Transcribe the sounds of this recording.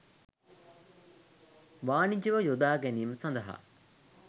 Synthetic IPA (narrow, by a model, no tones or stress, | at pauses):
ʋaːnid͡ʒɐʋɐjod̪aːɡæniːməsɐnd̪ɐɦa̰